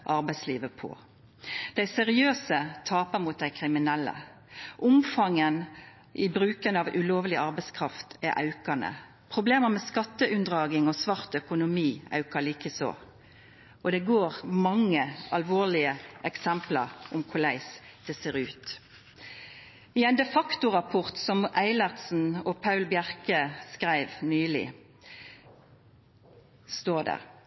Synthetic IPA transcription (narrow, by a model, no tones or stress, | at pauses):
ʔɑʁbæɪsliːʋəpʰɔ̰ | d̪̥æɪsɛʁɪøːsət̪ʰɑːpəmut̪̚d̪æɪkʰʁɪmɪnɛlːə̰ | ʔʊmfɑŋən | ʔɪbɾʉːkənɑʋʉloːʋəlɪʔɑʁbæɪskʰʁɑft̪æɾʔɑ̰ʉkɑnə̰ | pʰʁʊbleːməmɛskɑt̪ːəʔʉnd̪ʁɑːɡɪŋɔsʋɑʁt̪œkʊnʊmiːɑ̰ʉkəliːkəso̰ː | ʔɔd̪ɛɡoːʁmɑŋːəɑlʋoːlɪəɛksɛmplɑ̰ʁʊmkʰʊlæɪsd̪̥ɛseːʁʉːt̪ | ɪæɪnd̪ɛfɑkt̪ʊʁɑpʰʊʁt̪sɔmæɪlɑʁsn̩ɔpʰɑʉlbjæʁkəskʁæɪʋnyːlɪ̰ | st̪oːd̪æ̰